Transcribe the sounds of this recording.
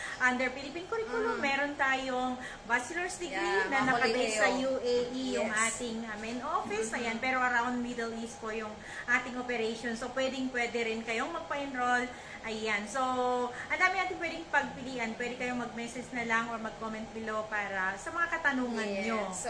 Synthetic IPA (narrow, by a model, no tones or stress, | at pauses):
ʔɐnd̪ɛɹpilɪpinkʊɾikʊlomɛːɾo̞nt̪aːjoŋ | basɪloɹsd̪ɛɡɾinɐnɐkɐbɛjsɐjuʔeʔijʊŋʔaːt̪ɪŋɐmɛnʔofɪsɐjanpɛːɾo̞ʔɐɾawnd̪̚miːd̪ɛlist̪̚pojʊŋ | ʔaːt̪ɪŋʔopɛɾɛʃonsopwɛːd̪ɪŋpwɛːd̪ɛɾɪnkɐjo̞ŋmɐɡ̚pɐʔɪnɾol | ʔɐjansoʔɐnd̪aːmɪ̃ŋaːt̪ɪnpwɛːd̪ɪŋpɐɡ̚pɪliːʔɐnpwɛːd̪ɪkɐjoŋmɐɡ̚mɛːsɛd͡ʒnɐlɐŋʔoɹmɐɡ̚komɛnt̪̚bɪlopaːɾɐsɐmɐŋakɐt̪ɐnuːŋɐnɲo